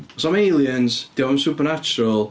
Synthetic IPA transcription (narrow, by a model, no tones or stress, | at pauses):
sɔmelˠjənzd̥ɪwansupərnat͡ʃʊɾəlˠ